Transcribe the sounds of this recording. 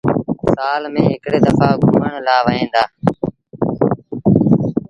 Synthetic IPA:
saːlmẽːɦɪkɽeːd̪əfaːɡʱuːəɳlaːʋəẽːnd̪aː

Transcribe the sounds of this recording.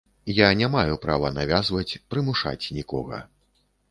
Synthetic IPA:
janʲamajupɾavɐnavʲazvɐt͡sʲpɾɨmuʂa̰t͡sʲnʲikɔ̰ɣɐ̰

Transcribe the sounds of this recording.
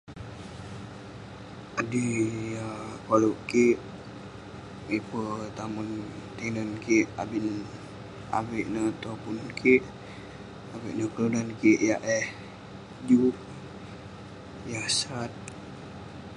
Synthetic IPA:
adiakaluʔkiʔ | ipət̪amunt̪inənkiʔa̰bin | a̰weʔnət̪ɔpunkʰiʔ | awiʔnəkludankiʔjaʔɛh | d͡ʒuh | jasat̪̚

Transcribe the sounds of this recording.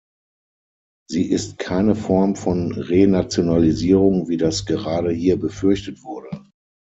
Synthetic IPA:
ziːʔɪstkʰaɪnəfɔɐmfɔnʁenat͡sjonaliziːʁʊŋviːdasɡ̥əʁaːɾəhiːɐbəfʏɐçtətv̥ʊɐdə

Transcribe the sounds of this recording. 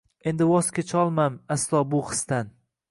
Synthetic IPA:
e̞nd̪ɪwɒst̪kʲet͡ʃʰɒlˠmamaslˠɒːbʊχɨ̥st̪an

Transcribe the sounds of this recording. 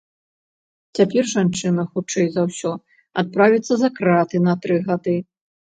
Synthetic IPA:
t͡sʲapʲɛrʐant͡ʂɨnɐxut͡ʂɛjzawsʲɔ | at̪̚pɾavʲit̪sːɐzɐkɾat̪ɨnɐt̪ɾɨɣad̪ɨ

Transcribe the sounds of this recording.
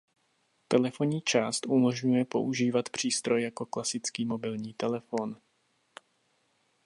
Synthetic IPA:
t̪ɛlɛfo̞ɲiːt͡ʃaːst̪ʔumo̞ʒɲujɛpo̞̰ʔuʒiːvat̪pr̝̥iːst̪ɾo̞jːjako̞klasɪt͡skiːmo̞bɪlɲiːt̪ɛlɛfo̞n

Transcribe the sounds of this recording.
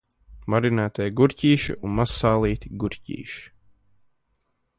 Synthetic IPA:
maɾinæːt̪ajɡuɾʲcʲiːʃḭunmasːaːlˠiːt̪iɡuɾcʲḭːʃi̥

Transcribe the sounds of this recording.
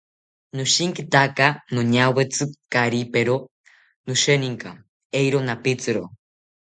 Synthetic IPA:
nuʃiŋkit̪akanoɲawet͡sɨkaɾipeɾo | nuʃeniŋka | ejɾonapit͡sɨɾo

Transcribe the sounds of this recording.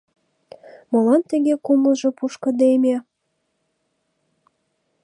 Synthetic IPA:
mɤlɑnt̪ə̆ɣʲekumlʒɤ̆puʃkɤ̆d̪emʲe

